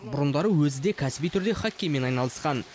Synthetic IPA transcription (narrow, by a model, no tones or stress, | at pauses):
bʊɾənd̪ɑɾəwɵzɪd̪e̞kʲʰæsɪbijt̪ʰʏɾd̪e̞χɑkʲːejme̞nɑjnɑlˠəsqɑn